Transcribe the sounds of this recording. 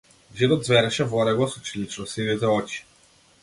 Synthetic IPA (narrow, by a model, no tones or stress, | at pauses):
ʒid̪ɔt̪zvɛɾɛʃɛvɔɾɛɡˠɔsut͡ʃilit͡ʃnɔsivizɛɔt͡ʃi̥